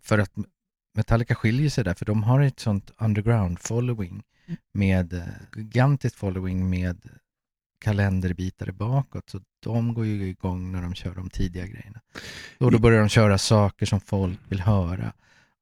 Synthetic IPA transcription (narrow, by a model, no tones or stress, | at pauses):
fœɾat̪ | mɛt̪ʰalːɪkaɧɪljəʂɛjd̪æɾfœɖɔmɦaɾɛt̪sɔnt̪and̪əɾɡɾaʊnd̪fɔlːɔɪŋ | meːd̪ɡɪɡant̪ɪskt̪fɔlːɔɪŋmeːd̪ | kʰalɛnd̪əɾbiːt̪aɾə̰bɑːkɔt̪sɔd̪̥ɔmɡoːɾjɵɪɡɔŋːnæɖɔmɕœːɖɔmt̪ʰiːd̪ɪɡaɡɾɛ̰jːəɳaɔd̪ɔbœɾjaɖɔmɕœːɾasɑːkəʂɔmfɔlkvɪlɦœːɾa̰